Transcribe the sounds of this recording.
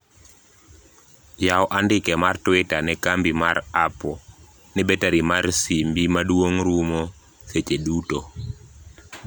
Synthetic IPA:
jawʔandɪkɛmartwɪtanɛkambimaɾapɔ | nɛbetaɾimarsimbimadwoŋɾumo | set͡ʃeduto

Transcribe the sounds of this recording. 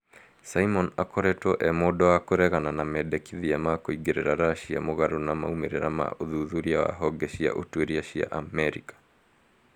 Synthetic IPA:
saimɔnakɔɾɛtɔʔɛmodɔwakoɾɛɣananamɛdɛkiðiamakoiɡeɾeɾaɾaʃia̰moɣaɾonama̰umeɾeɾama̰ʔoðuðuɾiawa̰ɦɔɡɛʃia̰ʔotueɾiaʃia̰ʔamɛɾikḁ

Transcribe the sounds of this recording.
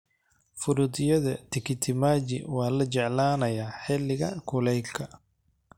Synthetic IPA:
fʊɾʊd̪ɪjɐðɐt̪ʰɪkʰɪt̪ʰɪmaːd͡ʒɪ̰wɑːlɐt͡ʃɛʕlaːnɐjaːħɛlɪɣɐkʰʊlɛjkʰɐ

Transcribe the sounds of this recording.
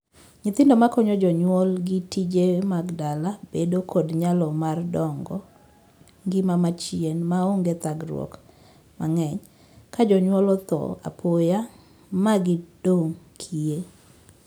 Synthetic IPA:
ɲɪt̪ɪndɔmakɔɲɔd͡ʒɔɲwɔlɡitid͡ʒemaɡdalabedokʰodɲalɔmardɔŋɡɔ̰ | ŋɡɪmamat͡ʃienmaoŋɡet̪aɡɾw̰ɔ̰k | maŋɛɲ | kad͡ʒɔɲwɔlɔt̪ɔ̰a̰pʰoja | maɡɪd̥oŋkʰie

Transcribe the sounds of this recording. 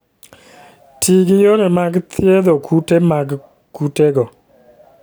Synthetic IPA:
tʰiɡɪjonemaɡt̪ʰjed̪okʰutemaɡ | kuteɡɔ

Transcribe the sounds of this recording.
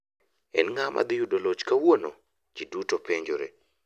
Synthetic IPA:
ɛ̰nŋamʔa̰d̪ɪjudolot͡ʃkawono | d͡ʒidutopeɲd͡ʒoɾḛ

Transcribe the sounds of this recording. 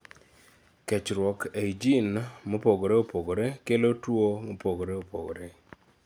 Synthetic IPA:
kɛt͡ʃɾwɔkeid͡ʒinmopoɡoɾeopoɡoɾekelotwomopoɡoɾeopo̰ɡo̰ɾɛ

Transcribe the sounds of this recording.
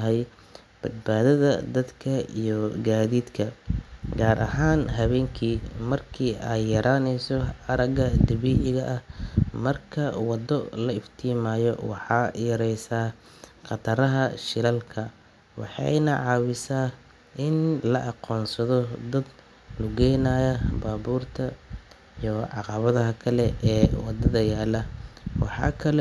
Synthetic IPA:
ɦɛj | b̥ɐd̪̚baːðɐðɐ̰d̪ɐd̪kʰɐijɔɡaːðiːd̪kʰɐɡaːɾʔɐ̰ɦaːnɦɐβɛːŋkʰiːmɐrkʰiːʔaːjjɐɾʔaːnɛjsɔɐɾɐɣɐd̪ɐβiːʔɪɣɐʔɐhmɐrkʰɐwɑd̪ɔlɐɪft̪ʰiːmaːjɔwɑ̰ħɑːjɐɾɛjsaː | qɑt̪ʰɐɾɐɦɐʃɪɾɐlkʰɐ | wɑ̰ħɑ̰jnɐʕɑːwɪsaː | ʔɪnlɐʔɑqɔːnsɐðɔd̪ɐd̪ | lʊɡɛjnaːjɐbaːβuːrt̪ʰɐ | jɔʕɑqɑβɐðɐɦɐkʰɐlɛɛːwɑd̪ɐðɐjaːlɐwɑ̰ħɑ̰ːkʰɐlɛ

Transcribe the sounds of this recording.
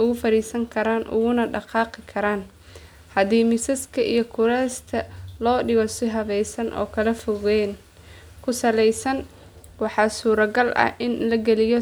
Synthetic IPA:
ʊɣʊfɐɾiːsɐŋkʰɐɾaːnʔʊ̰ɣʊnɐɖɑqɑːqɪkʰɐɾaːn | hɐðiːmɪsɐskʰɐʔijɔkʰʊɾɛːst̪ʰɐlɔːɖɪɣɔsɪɦɐβɛjsɐnʔɔ̰ːkʰɐlɐfɔɣɛːn | kʰʊsɐlɛjsɐn | wɑħɑːsuːɾɐɡɐlʔɐ̰hʔɪnlɐɡɛlɪjɔ

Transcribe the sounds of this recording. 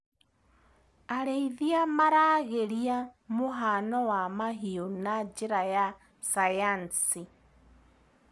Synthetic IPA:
aɾeiðiamaɾaɣeɾiamuɦanɔwamaɦionad͡ʒiɾaja | sajansi

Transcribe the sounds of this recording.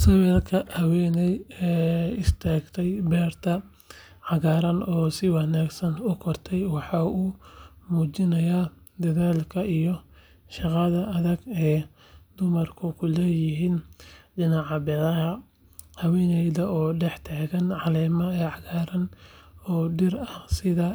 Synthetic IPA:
sɐwɛlkʰɐhɐwɛːnɛjɛːɪst̪ʰaːɡt̪ʰɛjbɛːrt̪ʰɐ | ʕɑɣaːɾɐnɔːsɪwɑnaːɡsɐnʊkʰɔrt̪ʰɛjwɑħɑːuːmuːt͡ʃɪnɐjaːd̪ɐðaːlkʰɐʔijɔ | ʃɑqɑðɐʔɐðɐɡɛː | d̪ʊmɐrkʰʊkʰʊlɛːjɪɦiːnɖɪnɑʕɑbɛðɐɦɐ | hɐwɛːnɛjðɐɔːɖɛħt̪ʰaːɣɐnʕɑlɛːmɐɛːʕɑɣaːɾɐnɔːɖɪrɐhsɪðɐ

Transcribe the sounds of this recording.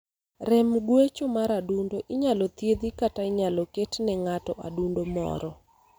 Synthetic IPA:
rɛmɡwet͡ʃomaɾadundoʔɪɲalɔt̪jed̪ikataɪɲalɔketnɛŋatɔʔa̰dundomɔ̰ɾɔ

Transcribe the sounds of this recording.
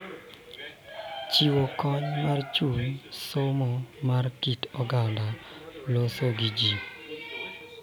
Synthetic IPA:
t͡ʃiwokɔɲmart͡ʃunsomɔmarkitɔɡandalosoɡid͡ʒi

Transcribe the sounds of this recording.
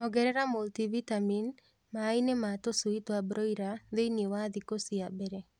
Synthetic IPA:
ɔɡɛɾɛɾamoltivit̪amin | maːinemat̪osuit̪oabɾɔiɾaðejnewad̪ikosiabɛɾe

